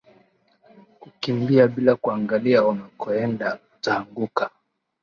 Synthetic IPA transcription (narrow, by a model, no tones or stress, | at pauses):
kukimbiaɓilakuaŋɡaliaanakʰɔɛnda | taːŋɡuka